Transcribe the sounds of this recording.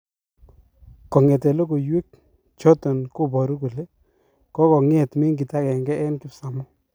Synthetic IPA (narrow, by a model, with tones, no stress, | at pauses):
kɔ˨ŋe˨te˨lo˦k̬o˨jwe˦k̚ | t͡ʃɔ˦tɔ˨nkʊ˦bɔ˨ɾu˦ku˨le˦ | kɔ˦kɔ˨ŋe˦˨tmɪ˦ŋɡi˨ta˦kɛ˨ŋɡɛ˦ʔɛ˦nkɪ˨sa˨mɔ˦